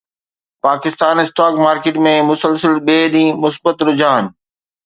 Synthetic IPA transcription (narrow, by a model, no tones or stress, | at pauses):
paːkɪst̪aːnɪsʈaːkmaːɾkeːʈmẽmʊsəlsəlɓeːɗĩːmʊsbət̪ɾʊd͡ʑaːn̆